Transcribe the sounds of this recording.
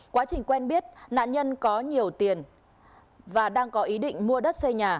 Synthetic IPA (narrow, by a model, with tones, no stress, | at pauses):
kwaː˨˦t͡ɕï˨˩ŋ̟kwɛ˧nɓi˦˥ət̚na̰ː˧˨nɲə˧nkɔ˨˦ɲi˨˩əwt̪i˨˩ən | vaː˨˩ɗaː˧ŋkɔ˨˦ʔi˨˦ɗḭ˧˨ŋ̟mu˧əɗə˦˥t̚sə˧jɲaː˨˩